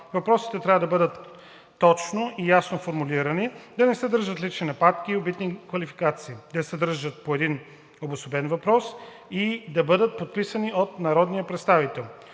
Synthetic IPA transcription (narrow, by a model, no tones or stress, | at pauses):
vɐpɾɔsi̥t̪ɛt̪ɾʲavəd̪ɐbɤd̪ət̪ː | ɔt͡ʃnoʔijasnofoɾmuliɾənid̪ɐnɛsɛd̪əɾʒət̪lit͡ʃ̪inɐpat̪k̟iːobit̪nikvɐlifi̥kat̪siːd̪ɐsɛd̪əɾʒət̪̚poɛd̪in | obosobɛnvɐpɾɔs | id̪ɐbɤd̪ət̪̚pot̪̚pisəniot̪nɐɾɔd̪nijəpɾɛt̪st̪avit̪ɛlˠ